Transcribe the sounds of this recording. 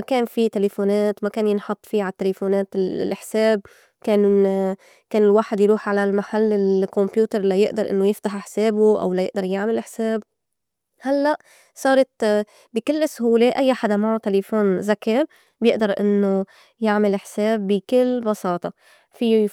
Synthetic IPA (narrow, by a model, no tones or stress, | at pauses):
akeːnfit̪elefoːneːt̪makeːnjɪnħɑt̪ˤːfiːʕat̪ːelefoːneːt̪lʔɪħseːb̚ | keːn | keːnɪlwaːħɪd̪jɾuːħʕalalmaħalːɪlkɔmpjuːt̪ɑɾˤlajɪʔd̪ɑɾˤʔɪ̰nːojɪft̪aħɪħseːbuʔa̰wlajɪʔd̪ɑɾˤjaʕmɪlʔɪħseːb | halːaʔ | sˤɑːɾˤɑt̪ | bɪkɪlːsʊhuːleʔajːaħad̪amaʕʊt̪ːelefoːnzakɪɾ | bjɪʔd̪ɑɾˤʔɪ̰nːo | jaʕmɪlɪħseːbːɪkɪlːbɑsɑːt̪ˤɑ | fi